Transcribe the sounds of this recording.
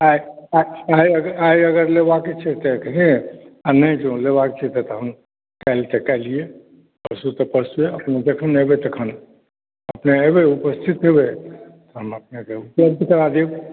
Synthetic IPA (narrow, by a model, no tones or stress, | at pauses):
aiaaiəɡəaiəɡəɾlebakit͡ʃʰɛt̪ekɦẽanəjd͡ʒõlebakt͡ʃʰɛt̪et̪ɔɦəm | kɛɪlt̪ekɛlie | pəɾsut̪ɔpəɾsueəpned͡ʒekʰənebet̪əkʰən | əpneebeupəst̪ʰit̪ɦebet̪ɔɦəməpnekeupləb̚d̪ʱkəɾad̪i